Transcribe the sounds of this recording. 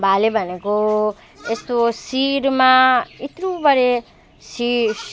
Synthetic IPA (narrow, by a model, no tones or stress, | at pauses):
bʱalebʱʌneko | est̪osiɾmãit̪ɾubʌɾe | si